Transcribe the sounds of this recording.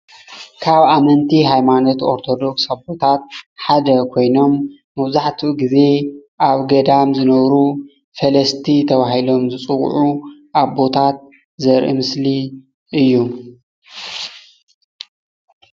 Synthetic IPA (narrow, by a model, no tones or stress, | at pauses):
kʰaβamɐnt̪ʰiɦajmano̞t̪o̞ɾt̪ʰo̞d̪o̞ksaβbo̞t̪ʰat̪̚ħad̪ɐkʰo̞jno̞mː | ɐβzaħt̪ʰiuɡize̞ʔaβɡɐd̪amzɨnɐβɾu | fɐlɐst̪ʰit̪ʰɐβaɦilo̞mzɨt͡sʼɨw̰ʕuʔaβbo̞t̪ʰat̪̚ | zɐɾʔḭmɨsli | ʔɨjːu